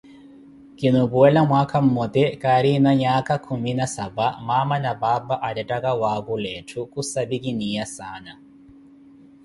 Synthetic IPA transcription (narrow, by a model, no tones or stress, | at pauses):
kinubuɛlamwakʰam̩mɔt̪ɛkaɾinaɲakakʰuminasabamamanababaʔadatakawakulɛtʰukusabikiniasana